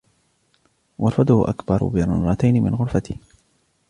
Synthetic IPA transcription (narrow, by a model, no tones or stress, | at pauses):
wʔɑɾˤfad̪ʊhʊʔa̰kbɑɾ̰ˤbɪɾʊnɾˤɑt̪ajnɪmɪ̰nɣʊɾfat̪ɪh